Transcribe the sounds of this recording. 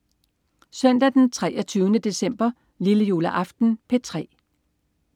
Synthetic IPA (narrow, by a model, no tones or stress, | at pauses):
sœn̰d̥æd̥ent͡sʰʁɛːɐt͡sʰyːʊnəd̥e̝sem̰b̥ɐ | liləjo̝ːlæʔɑ̈fd̥n̩pʰe̝t͡sʰʁɛ̰ː